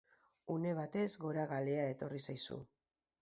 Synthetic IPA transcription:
une̞β̞at̪e̞zɣo̞ɾaɣaleae̞t̪o̞risajsṵ

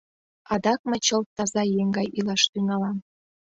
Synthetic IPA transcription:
ɑd̪ɑk̚mə̆t͡ɕəlt̪ːɑzɑjeŋɡɑjʔilɑʃt̪yŋɑlɑm

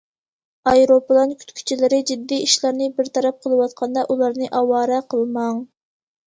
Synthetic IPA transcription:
ɑjɾopɨlˠɑnkʲʰy̥t̪kʲʰy̥t͡ʃʰilɪɾɪd͡ʒid̪ːiiʃlæɾnɪbɪɾt̪ʰɑɾɛp̚qʰəlˠɨwɑt̪qʰɑnd̪ɑʔulˠɑɾnɨʔɑwɑːɾɛqʰəlˠmɑŋ

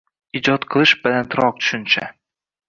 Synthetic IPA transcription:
id͡ʒɒt̪qʰɨlˠɨʃbɪlant̪ʰɾɒq̚t͡ʃ̪ʰʊ̥ʃʊnt͡ʃʰa̰

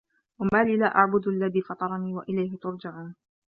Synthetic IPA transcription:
wamaːliːlaːʔaʕbʊd̪ʔalːaðiːfɑt̪ˤɑɾˤɑniːwaʔɪlajɦɪt̪ʊɾˤd͡ʒaʕuːn

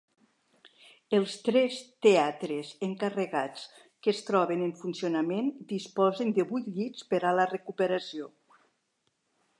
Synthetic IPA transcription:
əlˠst̪ɾɛst̪eat̪ɾezəŋkarəɣat͡s | kəst̪ɾɔβenəɱfunsionamend̪ispɔzənd̪əβujt̪ʎit͡spəɾalərəkupəɾasio

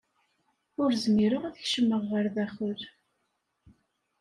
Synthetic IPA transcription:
ʊɾzəmiɾʊʁæðəçʃəmːəʁːəɾðæxʊɾ

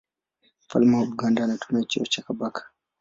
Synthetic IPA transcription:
fa̰lmahuɓɡandanatʰunat͡ʃiɔt͡ʃakabakḁ

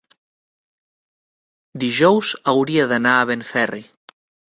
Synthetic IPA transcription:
d̪iʒɔwzawɾiaðanaːβeɱfɛri

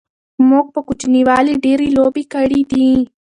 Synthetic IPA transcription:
mok̚pəkut͡ʃniwɑːliɖeɾiloːbikɐɽid̪i

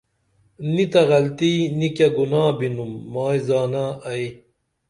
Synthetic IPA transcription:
nit̪ɐɣɐlt̪iːnikjɐɡunaːbinumːaːjzaːnaɐj

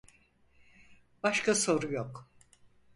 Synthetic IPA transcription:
b̥aʃkʰaso̞ɾujok

